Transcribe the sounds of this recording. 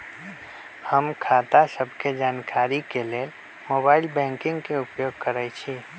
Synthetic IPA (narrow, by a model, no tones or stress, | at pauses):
həmkʰaːt̪asəbʱked͡ʒaːnkʰaːɾikeleː | moːbaːɪlbɛ̃ːŋkɪ̃ŋɡkeʊpjoːɡkəɾət͡ʃʰiː